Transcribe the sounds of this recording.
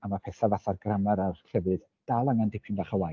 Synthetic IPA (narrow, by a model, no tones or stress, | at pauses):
amapʰɛθavaθarɡramaɾarɬɛvɨð̥ | d̥alˠaŋandɪpʰʊndaχəwa